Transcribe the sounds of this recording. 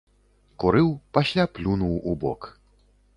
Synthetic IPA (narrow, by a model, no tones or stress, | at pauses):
kuɾɨwpasʲlʲaplʲunuwubɔ̰k